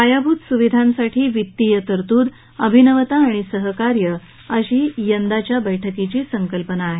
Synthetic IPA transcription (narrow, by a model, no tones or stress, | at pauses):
kajabʱuːt̪suʋid̪ʱãnsaʈʰiːʋit̪ːijət̪əɾt̪uːd̪ | əbʱinəʋət̪aːɽ̃isəɦəkaɾjə | əɕiːjənd̪at͡ɕjabəjʈʰəkit͡ɕiːsəŋkəlpənaːɦe